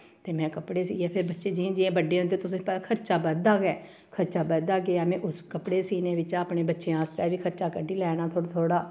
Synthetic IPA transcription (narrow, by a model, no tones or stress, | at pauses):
t̪eːmɛ̃ːkəpɽeːsiːɛːpʰɪɾbətːʃeːd͡ʒĩːd͡ʒiẽːbəɖeːɦʊ̃nd̪eːt̪ʊsẽːpɛkʰəɾt͡ʃaːbəd̪aːɡɛː | kʰəɾt͡ʃaːbəd̪aːɡeːaːmɛ̃ːʔʊskəpɽeːsiːneːʋɪt͡ʃaːpɳeːbətːʃẽːãːst̪ɛːʋiːkʰəɾt͡ʃaːkəɖiːlɛːñaːt̪ʰoːɽt̪ʰoːɽaː